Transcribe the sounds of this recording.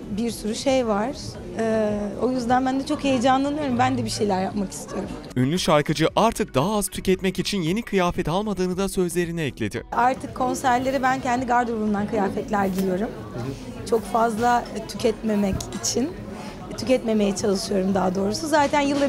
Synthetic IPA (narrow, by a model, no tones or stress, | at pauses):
biɾsyɾyʃejvaɾ̥ | ɛːo̞jyzd̪ænbænd̪ɛt͡ʃʰokhejed͡ʒanlˠanɯjo̞ɾumbænd̪ɛbiʃe̞jlʲæɾjapmaki̥st̪ʰijo̞ɾum | ynlʲyʃaɾkʰɯd͡ʒɯʔaɾt̪ʰɯk̚d̪aɦaaz̥t̪ʰycɛt̪mɛcit͡ʃʰinje̞nikʰɯjaːfɛt̪ʰalˠmad̪ɯːnɯd̪asø̞zlʲe̞ɾinɛɛclʲe̞d̪ɪ̰aɾt̪ʰɯkʰːo̞nsæɾlʲe̞ɾibæncʰɛnd̪iɡaɾd̪obund̪ankʰɯjaːfɛt̪lʲæɾɟilʲijo̞ɾum | t͡ʃʰo̞kfazlˠat̪ʰycʰɛt̪me̞mɛcit͡ʃʰin | t̪ʰycɛt̪me̞me̞jɛt͡ʃʰalˠɯʃɯjo̞ɾumd̪aɦad̪o̞ːɾusuzaːt̪ʰænjɯlˠːa